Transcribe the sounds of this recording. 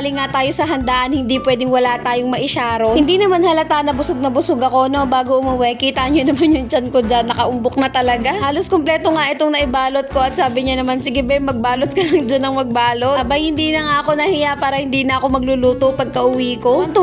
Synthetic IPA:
lɪŋːat̪aːjo̞sɐɦɐnd̪aːʔɐnhɪnd̪ipwɛːd̪ɪŋwɐlat̪aːjoŋmɐʔɪʃaːɾohɪnd̪inɐmanhɐlɐt̪aʔnɐbʊsoɡ̚nɐbʊsʊɡɐko̞no̞baːɡoʔʊmuwɛkiːt̪aʔɲonɐmanjʊŋt͡ʃɐnkod͡ʒanːɐkɐʔʊmbʊk̚nɐt̪ɐlɐɡahaːloskomplɛːt̪oŋaʔɪt̪oŋnɐʔɪbaːlot̪̚ko̞ɐt̪̚saːbɪɲanɐmansɪɡɐbɛmɐɡ̚baːlot̪̚kɐnɐŋd͡ʒɐnːɐŋmɐɡ̚baːlobɐjhɪnd̪iːnɐŋaʔɐko̞nɐhijapaːɾɐhɪnd̪iːnɐʔɐko̞mɐɡ̚lʊluːt̪opɐɡ̚kɐʔʊwiːko̞ɐt̪ʊ

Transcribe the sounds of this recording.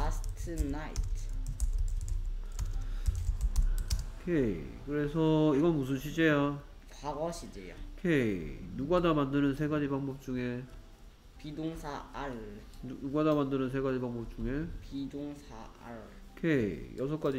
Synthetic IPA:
astʰɯnaḭtʰ | kʰekɯɾe̞sʰʌiɡʌnmus̬ʰɯnɕʰid͡ʑeja | kaɡʌɕʰid͡ʑejakʰenuɡadamandɯnɯnsʰe̞ɡad͡ʑibaŋbʌp̚t͡ɕ͈uŋe | pidoŋsʰaaɭ | uɡadamandɯnɯns̬ʰe̞ɡad͡ʑibaŋbʌp̚t͡ɕ͈uŋe̞pidoŋsʰaa̰ɾkʰejʔʌsʰʌk͈ad͡ʑi

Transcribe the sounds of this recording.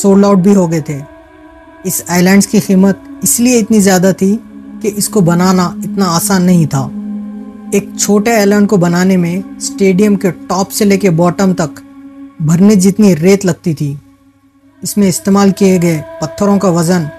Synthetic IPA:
soːɾɖaːʊʈ̚bʱiɦoɡɐet̪ʰeː | ɪsaːlɛ̃ːɳɖskiximət̪̚ɪslieɪt̪nizjaːd̪at̪ʰikeʔɪskobɐnaːnaɪt̪naaːsaːnːɐɦĩt̪ʰa̰ː | eːk̚t͡ʃʰoːʈeaːlɛːɳɖkobɐnaːnemẽsʈeːɖijəmkeʈɔːpseleːkebɔːʈəmt̪ɐkbʱɐɾned͡ʒɪt̪niɾeːt̪lɐɡ̚t̪it̪ʰiː | ɪsmẽɪst̪eːmaːlkieɡɐepɐt̪ʰːəɾõkaʋɐzən

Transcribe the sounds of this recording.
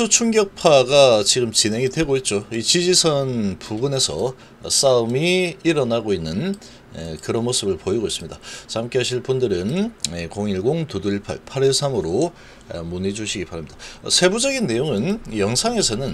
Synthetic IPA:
ot͡ɕʰuŋɡjʌk̚pʰaɡat͡ɕiɡɯmt͡ɕinɦe̞ŋidwe̞ɡoit̚t͡ɕ͈oit͡ɕid͡ʑisʰʌnpuɡɯne̞sʰʌ | s͈aumiːɾʌnaɡoinːɯn | ekɯɾʌnmos͈ɯbɯɭpoiɡois͈ɯmɲidat͡ɕaamk͈eɦaɕʰiɭpundɯɾɯnekoŋiɭɡoŋtuduɭpʰa̰ɭpʰaɾesʰamɯɾo | munid͡ʑuɕʰiɡipaɾamɲid̥a̰sʰe̞bud͡ʑʌɡinːe̞joŋɯnjʌŋsʰaŋe̞sʰʌnɯn

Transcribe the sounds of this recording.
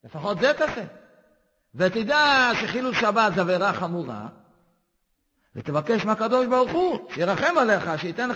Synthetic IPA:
lefaχo̞t̪zet̪ase | vet̪id̪aʃeχiluʃabat̪zaveʁaχamuʁa̰ | vet̪evake̞ʃmeakad̪o̞ʃbaʁuχuʃejiʁaχe̞male̞χaʃeit̪en

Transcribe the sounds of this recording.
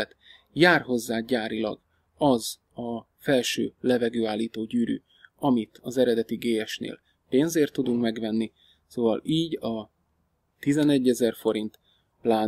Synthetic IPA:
ɛt̪ | jaːrɦo̞zːaːɟaːɾilɒ̰ɡ | ɒz | ɒ | fɛlʃø̰ːlɛvɛɡøːaːlːiːt̪oːɟyːɾy̰ | ɒmit̪ʰɒzɛɾɛd̪ɛt̪iɡeːjɛʃnḛːl | peːnzeːrt̪ːud̪uŋkmɛɡvɛnːi | soːvɒ̰liːɟɒ | t̪izɛnɛɟːɛzɛrfo̞ɾint̪ | plaː

